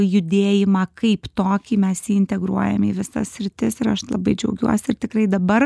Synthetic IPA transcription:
jʊd̪ʲeːjɪmɑːkɐɪpt̪oːkʲiːmʲɛsjiːɪnʲt̪ʲɛɡɾuɔjɛmiːʋʲɪsɐ̰ssʲɾʲɪt̪ʲɪsɪɾɐʃlˠɐ̰bɐɪd͡ʒʲɛʊɡʲuɔsʲɪɪɾt̪ʲɪkɾɐɪd̪ɐbɐr

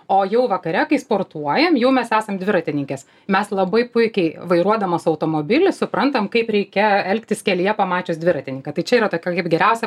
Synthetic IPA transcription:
oːjɛʊʋɐkɐɾʲɛkɐɪspoːrt̪uɔjɛmjɛʊmʲɛsæːsɐmd̪ʋʲɪɾɐt̪ʲɪnʲɪŋʲkʲɛs | mʲɛslˠɐbɐɪpʊɪkʲɛɪʋɐɪɾuɔd̪ɐmɐsɐʊt̪oːmoːbʲɪlʲɪsʊpɾɐnt̪ɐmkɐɪpɾʲɛɪkʲɛɛlʲkt̪ʲɪskʲɛlʲɪjɛpɐmɑːt͡ʃʲoːsd̪ʋʲɪɾɐt̪ʲɪnʲɪŋkɐt̪ɐɪt͡ʃʲɛiːɾɐt̪oːkʲɛkɐɪpɡʲɛɾʲɛʊsʲɛ

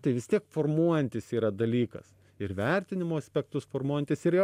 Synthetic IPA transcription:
t̪ɐɪʋʲɪst̪ʲiɛkfoːrmuɔjɛnʲt̪ʲɪsiːɾɐd̪ɐlʲiːkɐ̰s | ɪɾʋʲɛɾʲt̪ʲɪnʲɪmoːɐsʲpʲɛk̚t̪ʊsfoːrmuɔjɛnʲt̪ʲɪsɪɾjo

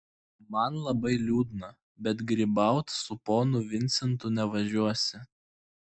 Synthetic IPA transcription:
mɐnlˠɐbɐɪlʲuːd̪ʲnɐ | bʲɛt̪ɡɾʲiːbɐˑʊt̪sʊpoːnʊʋʲɪnʲsʲɛnt̪ʊnʲɛʋɐʒʲuɔsʲɪ

